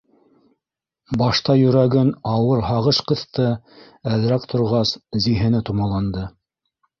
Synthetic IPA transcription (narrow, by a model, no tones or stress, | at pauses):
bɑʃt̪ɑjɵ̆ɾæɡɘnɑwɤɾɦɑʁɤʃqɤ̆θt̪ɤ | æðɾækt̪ʰŏɾʁɑsziɦɘ̆nɘt̪umɑlˠɑnd̪ɤ